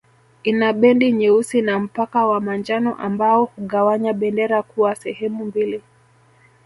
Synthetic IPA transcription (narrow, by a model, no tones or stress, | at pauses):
inaɓɛndiɲɛusinam̩pakawamand͡ʒanɔ̰ʔambaɔhuɠawaɲaɓɛndɛɾakuwasɛhɛmumbili